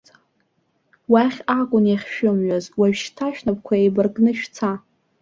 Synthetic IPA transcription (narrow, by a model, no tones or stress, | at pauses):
waχʲakʷʼʊnjaχʲʃᶣʊmɥazwaɥᶣʃtʰaʃᶣnap̚ʼkʷʰaejbɨrɡnɨʃᶣt͡sʰa